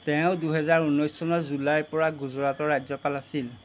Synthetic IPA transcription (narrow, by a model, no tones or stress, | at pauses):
tɛʊ̃duɦɛzaɹunːɔjsːɔnɔzulajpɔɹaɡuzɔɹatɔɹajzɔpalasil